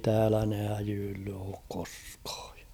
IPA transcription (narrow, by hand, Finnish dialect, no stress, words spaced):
tæːlæ ne hæjyːlːy oːk koskɑ̥ː